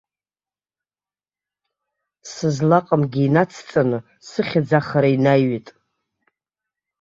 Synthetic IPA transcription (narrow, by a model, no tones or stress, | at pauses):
sɨzlaqʼəmɡʲiːnat͡sʰt͡sʼanɨ | sɨχʲad͡zaχaɾainajɥitʼ